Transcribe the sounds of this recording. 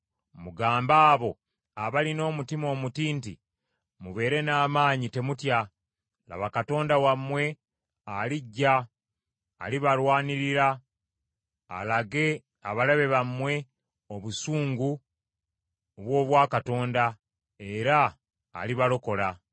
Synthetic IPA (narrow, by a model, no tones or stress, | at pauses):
muɡaːmbaːβo̞ | aβalino̞ːmutimo̞ːmutiːntḭ | muβe̞ːɾe̞naːmaːɲite̞mutja | la̰βakato̞ːndawamːwe̞ | aliɟːa | a̰liβalwaːniɾiɾa | laɡe̞ | aβalaβe̞βamwe̞ | o̞βusuːŋɡu | oβwo̞ːβwaːkato̞ːnda | e̞ɾa̰ː | liβalo̞ko̞la